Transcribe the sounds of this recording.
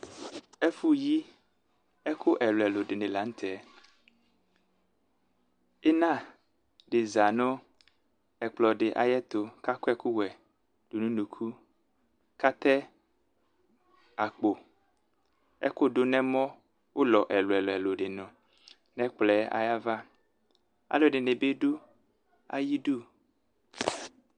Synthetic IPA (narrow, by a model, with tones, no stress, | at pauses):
ɛ˦fu˦ji˦ | ɛ˦kʰo˦ʔɛ˨lo˨ɛ˨lo˨ɖɪ˨nẽ˨la˨˦ŋ̩˦t̪ʰɛ˦˨ | e˦nã˦˨ | ɖɪ˨za˨nõ˦ | ɛ˨k͡plɔ˨ɖɪ˨ʔa̰˨jɛ˦t̪o˨ka˦ko˦ɛ˦ku˦wɛ˨ | d̥u˨nũ˦nũ˨kʰu˦ | ka˦t̪ɛ˦ | a˨k͡po˨ | ɛ̰˦ko˦ɖo˦nɛ̃˦mɔ̃˦ | wo˦lɔ˨ʔɛ˨lo˨ɛ˨lo˨ɛ˨lo˨ɖɪ˨nɔ̃˨ | nɛ̃˦k͡plɛ˦a̰˨ja˦va˦ | a̰˨lo˨ɖɪ˨ne˨be˦ɖo˦ | a̰˦ji˦du˦